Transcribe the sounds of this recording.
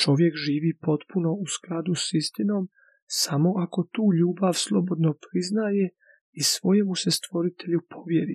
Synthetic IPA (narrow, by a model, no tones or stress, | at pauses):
t͡ʃo̞ʋje̞kʒiːʋipo̞t̪puno̞usklˠad̪usist̪ino̞ːm | samo̞ʔako̞t̪uːʎuːbaʋslˠo̞bo̞d̪nopɾiznaːje | isʋo̞je̞musest̪ʋo̞ɾit̪ʰe̞ʎupʰo̞ʋjeɾḭ